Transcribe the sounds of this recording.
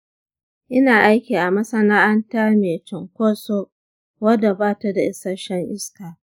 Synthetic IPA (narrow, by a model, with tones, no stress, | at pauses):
ʔɪ˦naː˨ʔa˦jkʲiː˨ʔa˨mɐ˦sɐ˦naː˦ʔa˦ntaː˦meː˨t͡ʃɪ˨ŋkʷoː˦so˦ | wɐ˦da˨baː˦ta˦da˨ʔɪ˦sɐ˦ʃɛ˦ŋʔɪ˦skaː˨